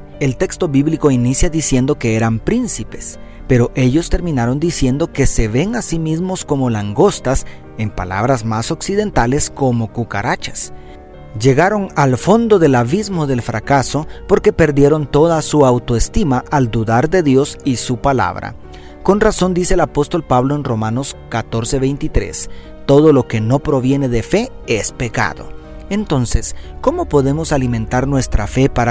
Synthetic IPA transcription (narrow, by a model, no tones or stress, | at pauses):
e̞lt̪e̞kst̪o̞βiβliko̞inisjaðisje̞nd̪o̞ke̞e̞ɾampɾinsipe̞̥s | pe̞ɾo̞ʔe̞ʝo̞st̪e̞ɾmĩnaɾo̞nd̪isjend̪o̞ke̞se̞βe̞ŋasimizmo̞sko̞mo̞laŋɡo̞st̪as | e̞mpala̰βɾazmaso̞ksiðe̞nt̪ale̞sko̞mo̞kuka̰ɾat͡ʃḁs | d͡ʒe̞ɣaɾo̞ŋalfo̞nd̪o̞ðe̞laβizmo̞ðe̞lfɾakaso̞po̞ɾke̞pe̞ɾd̪je̞ɾo̞nt̪o̞ðasuawt̪oest̪imaʔald̪uðaɾðe̞ðjo̞sisupala̰βɾa̰ | ko̞nraso̞nd̪ise̞ːlapo̞st̪o̞lpaβlo̞enro̞mano̞skat̪o̞ɾse̞βejnt̪it̪ɾe̞̰s | t̪o̞ðo̞lo̞ke̞no̞pɾo̞βje̞ne̞ðe̞fe̞ | espe̞ka̰ðo̞̰ | e̞nt̪o̞nsesko̞mo̞po̞ðe̞mo̞saliment̪aɾnwe̞st̪ɾa̰fe̞paɾa